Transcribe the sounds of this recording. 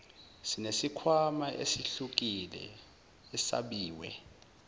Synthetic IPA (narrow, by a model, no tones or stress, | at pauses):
sinesikʰwamaʔḛsiɬuk̬ʼilɛ̰ | ɛsa̰ɓiːwɛ̰